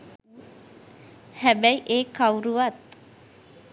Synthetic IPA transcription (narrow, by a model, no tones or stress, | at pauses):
hæbæjʔeːkawuɾuʋat̪̚